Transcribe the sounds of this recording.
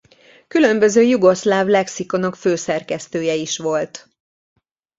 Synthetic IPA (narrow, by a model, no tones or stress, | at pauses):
kylø̞mbø̞zøːjuɡo̞slaːvlɛksiko̞no̞kføːsɛrkɛst̪øːjɛiʃʋo̞lt̪